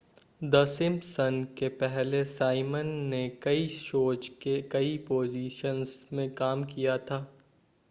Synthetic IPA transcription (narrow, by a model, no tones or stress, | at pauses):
d̪ɐsɪ̃mbsɐnkepɛɦlesaːɪmənːekɐiʃoːd͡ʒkekɐipoːziːʃənzmẽkaːmkijat̪ʰaː